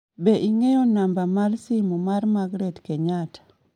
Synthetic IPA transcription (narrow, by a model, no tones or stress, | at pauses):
bɛʔiŋejonambamalsimumarmaɡɾɛtkeɲatḁ